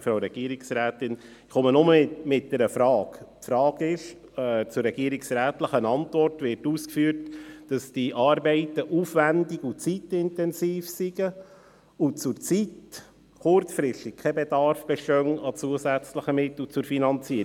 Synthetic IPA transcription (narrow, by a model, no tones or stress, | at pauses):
fɾaʊɾɛɡ̥iəɾɪksɾæːt̪ɪn | χɔmənʊməmɪt̚d̥ɛɾəfɾɑːkpfɾɑːɡɪʃ | ɛt͡sʊrːɛɡiəɾɪksɾæːtləχənɑntvɔrtʋɪɾtuːskfyəɾtd̥ɑsd̥iʔɑːɾbɛɪtəʔuːfvændɪɡʊt͡sitɪntɛnsiːfsiɡə | ʊt͡sʊɾt͡sit | kʊrt͡sfɾɪʃtɪkkʰɛbedɑɾfb̥ɛʃtœŋɑt͡suəsæt͡sləχəmɪt̪lut͡sʊɾfinɑnt͡siə